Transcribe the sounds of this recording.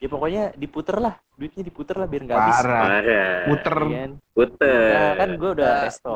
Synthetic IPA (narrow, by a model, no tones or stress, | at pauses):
iapokɔɲadiput̪ərlah | duɪt̪̚ɲadiput̪ərlahbiarŋɡaaɾaaɾaput̪ərnput̪əanakanɡuɛudakɛst̪ɔ